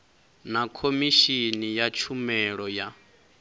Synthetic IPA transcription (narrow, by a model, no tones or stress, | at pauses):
nakʰomiʃinijat͡ʃʰumɛɺɔja